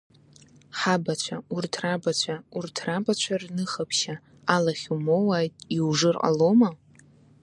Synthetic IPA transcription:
ħabat͡ɕʷʰaurtʰrabat͡ɕʷʰaurtʰrabat͡ɕʷʰarnɨχapʰʃa | alaχʲumowaːjtʼiwʐɨrqʼa̰loma

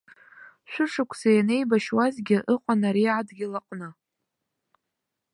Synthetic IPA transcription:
ʃʷᶣʊʂɨkʷʰsajanejbaʃwazɡʲɪʔɨqʷʼanaɾiʕadɡʲɪlaqʼnɨ

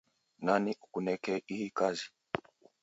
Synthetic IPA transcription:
naniʔukunɛkɛihikazi

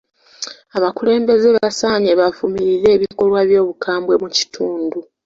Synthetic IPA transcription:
aβakule̞ːmbe̞zeβasaːɲeβavumiɾiɾe̞ːβiko̞lwaβjo̞ːβukʰaːmbwe̞muci̥tʰuːndu

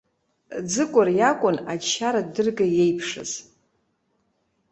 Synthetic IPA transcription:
d͡zɨkʷʼʊrjakʷʼʊnat͡ʃʰːaɾadɨrɡaje̞jpʰʂɨ̰z̥

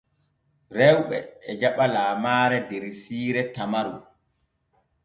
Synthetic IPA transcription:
ɾɛwɓɛ̰ːd͡ʒaɓalaːmaːɾɛdeɾisiːɾɛtamaɾu

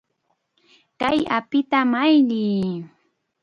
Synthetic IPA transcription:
kajapɪt̪amajʎiː

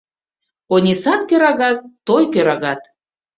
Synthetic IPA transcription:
onʲisɑt̪̚køɾɑɣɑt̪ːojkøɾɑɣɑt̪

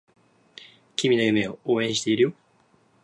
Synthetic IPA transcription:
kʲimʲinajameooːẽɕit̪eiɾɯjo

